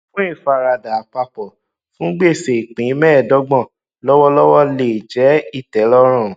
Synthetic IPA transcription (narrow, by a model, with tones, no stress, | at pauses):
fũ˦i˦˨fa˦˨ɾa˧˨da˨a˨k͡pa˧k͡pɔ˨ | fũ˦ɡ͡be˦˨se˨i˨k͡pĩ˨˦mɛ̃ː˦˨dɔ˦ɡ͡bɔ̃˦˨ | lɔ˦wɔ˦lɔ˦wɔ˦le˨d͡ʒɛ˨˦i˦˨tɛ˨˦lɔ˦ɾ̃ɔ̃˦˨